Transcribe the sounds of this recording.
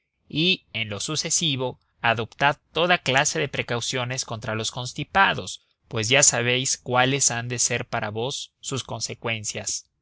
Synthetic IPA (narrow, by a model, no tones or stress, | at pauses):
ie̞nlo̞suse̞siβo̞ | aðo̞pt̪aðt̪o̞ðaklase̞ðe̞pɾe̞kawsjo̞ne̞sko̞nt̪ɾalo̞sko̞nst̪ipaðo̞s | pwe̞z̬ʝasaβ̞e̞jskwale̞sand̪e̞se̞ɾpaɾaβo̞sːusko̞nse̞kwe̞nsjas